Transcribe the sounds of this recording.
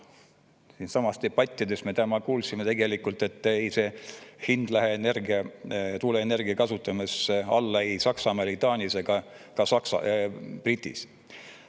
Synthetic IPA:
siːnsɑmɑst̪eb̥ɑt̪ʲˑːid̪e̞sme̞t̪æmɑkuːlsimet̪e̞ɡe̞likult̪ːˑe̞t̪ːˑejse̞ːhind̪̥læɦeenerɡiɑt̪uːleene̞rɡ̥iɑkɑsut̪ːˑɑmeseɑ̰lːɑejsɑksɑmeɾit̪ˑɑːnʲiseɡ̥ɑ | kɑsɑksɑ̰prit̪ʲːḭs

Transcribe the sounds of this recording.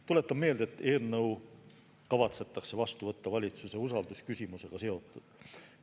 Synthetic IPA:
t̪ule̞t̪ːɑbme̞ːld̪̥et̪ːe̞ːlnɤw | kɑvɑt̪se̞t̪ːˑɑkse̞vɑst̪uvɤ̞t̪ːɑvɑlʲit̪suse̞usɑld̪uskysʲimuse̞ɡ̥ɑse̞o̞t̪ːˑud̪̥

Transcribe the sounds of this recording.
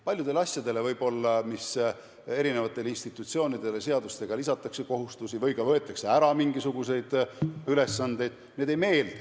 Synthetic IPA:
pɑljud̪̥e̞lɑsʲjɑd̪e̞le̞vɤjb̥o̞lːɑmis | e̞ɾine̞vɑt̪ːˑe̞linst̪it̪ːˑut̪sio̞ːnid̪e̞le̞se̞ɑd̪ust̪e̞ɡ̥ɑlisɑt̪ːˑɑkse̞ko̞ɦust̪usivɤjkɑvɤ̞e̞t̪ːˑekse̞æɾɑmiŋɡ̥isuɡ̥use̞jd̪̥yle̞sːɑnd̪̥e̞jd̪̥ne̞ːd̪e̞jme̞ːld̪̥ɑ

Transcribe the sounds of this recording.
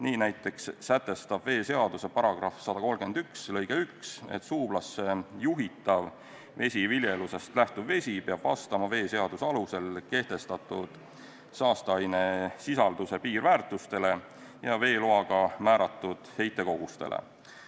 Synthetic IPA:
niːnæjt̪ːˑe̞kssæt̪ːˑe̞st̪ɑbve̞ːse̞ɑd̪̥use̞pɑɾɑɡ̥rɑfsɑd̪̥ɑko̞lɡ̥e̞nd̪̥ykslɤjɡ̥eykse̞̰t̪ːsuːblɑsːejuɦit̪ːˑɑv | ve̞sʲivilʲjeluse̞st̪læht̪uvve̞sʲipeɑb̥vɑ̰st̪ɑmɑve̞ːse̞ɑd̪̥usɑluse̞lke̞ht̪e̞st̪ɑt̪ːˑud̪̥ | sɑːst̪ɑjne̞sisɑld̪̥use̞piːɾvæːɾt̪ːˑust̪e̞le̞ | jɑve̞ːloɑɡ̥ɑmæːɾɑt̪ːˑud̪̥he̞jt̪ːˑe̞ko̞ɡ̥ust̪e̞̰lḛ

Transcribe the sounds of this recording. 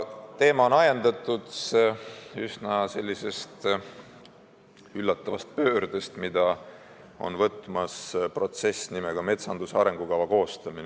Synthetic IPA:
t̪e̞ːmɑonɑjend̪̥ɑt̪ːˑud̪s | ysnɑse̞lʲːise̞st̪ | ylːɑt̪ˑːɑvɑst̪̚pø̞ːɾd̪̥est̪mid̪̥ɑ | o̞̰nvɤt̪ːˑmɑspro̞t̪se̞sʲnimeɡ̥ɑme̞t̪sɑnd̪useɑɾe̞ŋɡ̥ukɑvɑko̞ːst̪ɑmin

